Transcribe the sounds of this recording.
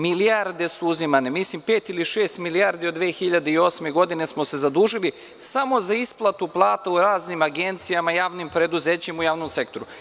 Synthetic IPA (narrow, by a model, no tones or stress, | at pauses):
miliaɾd̪e̞suuzimanemislimpeːt̪iliʃe̞ːst̪milijaɾd̪iod̪ʋeːxiʎad̪eio̞sme̞ɡo̞d̪ine̞smo̞se̞zad̪uːʒili | samo̞zaisplˠat̪uplˠaːt̪auɾaːznimaɡe̞nt̪sijamajaːʋnimpɾe̞d̪uzeːt͡ɕemujaːʋnomse̞kt̪o̞ɾu